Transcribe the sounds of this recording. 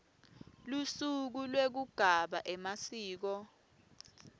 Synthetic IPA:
lusuk̬ulwek̬uɡ̥ʱaɓa̰ʔɛmasiːk̬ɔ

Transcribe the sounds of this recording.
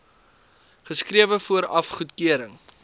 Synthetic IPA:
χəskriəvəfuəɾɐfχutkiəɾəŋ

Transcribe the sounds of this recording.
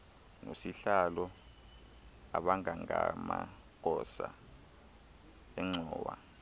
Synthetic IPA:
nosiɬalɔ | aɓaŋʱaŋʱama | k̬ʼɔsa | ɛŋ͡ǀʱɔːwa

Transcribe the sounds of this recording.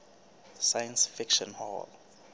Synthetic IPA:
sajãnsfikʃɔ̃nhɔ̰l

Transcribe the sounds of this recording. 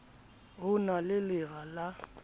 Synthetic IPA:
ɣʊnalɪlɪɣala

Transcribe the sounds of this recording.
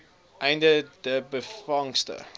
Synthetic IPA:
ʔɛjndədəbəfɐŋstə̰

